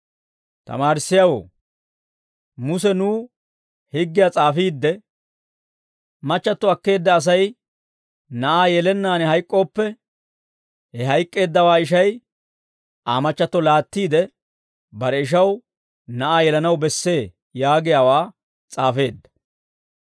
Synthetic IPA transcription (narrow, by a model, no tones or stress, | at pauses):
t̪ɐ̰maːɾɪsːɪjawo̰ː | mʊsɛnuː | hɪɡːɪjaːt͡sʼaːfiːd̪ːɛ | mɐt͡ʃːɐt̪ːɔɐkːe̞ːd̪ːɐːs̬ɐj | nɐʔaːjɛlɛnːaːnɛɦɐjkʼːo̞ːpːɛ | hɛɦɐjkʼːe̞ːd̪ːɐwaːɪʃ̬ɐj | aːmɐt͡ʃːɐt̪ːɔlaːt̪ːiːd̪ɛ | bɐɾɛɪʃ̬ɐw | nɐʔaːjɛlɐnɐwbɛsːe̞ː | jaːɡɪjaːwaː | t͡sʼaːfe̞ːd̪ːɐ̥